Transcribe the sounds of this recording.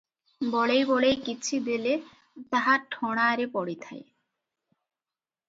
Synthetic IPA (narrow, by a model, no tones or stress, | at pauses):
bɔɭejbɔɭejkit͡ɕʰid̪ele | t̪aɦaɾʈʰɔɽ̃aɾepɔɽit̪ʰae